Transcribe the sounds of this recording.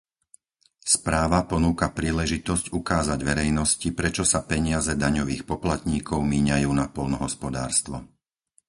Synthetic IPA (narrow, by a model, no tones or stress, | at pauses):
spɾaːʋapɔnuːkapɾiːlɛʒit̪ɔzcukaːzaɟʋɛɾɛjnɔscipɾɛt͡ʃɔsapɛɲɪazɛd̪aɲɔʋiːxpɔplat̪ɲiːkɔʊmiːɲajuːnapɔlnɔɦɔspɔd̪aːɾst̪ʋɔ